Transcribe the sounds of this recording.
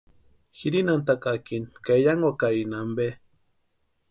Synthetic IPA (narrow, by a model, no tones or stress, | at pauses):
xiɾinant̪akakinkajaŋwakainambe